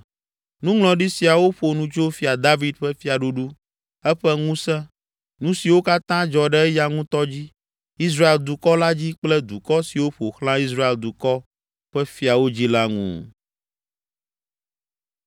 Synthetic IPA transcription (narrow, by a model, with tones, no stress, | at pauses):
nũ˦ŋlɔ̃˨ɖi˦si˨a˨wo˦ɸo˨nũ˦t͡ʃo˦fi˦a˨d̪a˦vi˦d̪ɸɛ˦fi˦a˨ɖu˦ɖu˦ | ɛ˦ɸɛ˦ŋũ˦sɛ̃˦ | nũ˦si˨wo˦ka˦t̪ã˦d͡ʒɔ˨ɖɛ˦ja˦ŋũ˦t̪ɔ˦d͡ʑi˦ | i˦s̬ɾa˦e˨ld̪u˨kɔ˦la˦d͡ʑi˦k͡plɛ˦d̪u˨kɔ˦si˨wo˦ɸo˨xlã˦i˦s̬ɾa˦e˨ld̪u˨kɔ˦ | ɸɛ˦fi˦a˨wo˦d͡ʑi˦la˦ŋṵ̃˨